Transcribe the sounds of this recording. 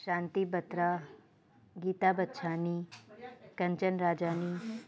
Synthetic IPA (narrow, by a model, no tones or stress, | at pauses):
ʃãːnt̪ibət̪ɾa | ɡiːt̪abət̪ːʃʰani | kə̃ɲt͡ʃənɾaːd͡ʒaːni